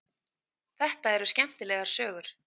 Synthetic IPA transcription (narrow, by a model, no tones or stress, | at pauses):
θɛht̪aɛɾʏscɛm̥t̪ɪlɛɣaɾ̥sœːɣʏɾ̥